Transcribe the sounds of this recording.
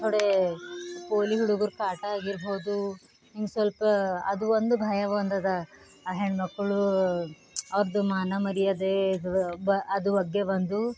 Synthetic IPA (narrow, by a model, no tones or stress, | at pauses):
t̪oɽe | poːliɦuɽuɡuɾkaːʈɐaːɡiɾboːd̪u | nimsʋɐlpɐɐd̪uʋond̪ubʱɐjɐʋoːnd̪ɐd̪ɐ | ɦeɳɖmɐkːɐɭu | ɐʋɐɾɐd̪umaːnɐmɐɾijɐd̪ebɐɐd̪uʋɐɡːeʋɐnd̪u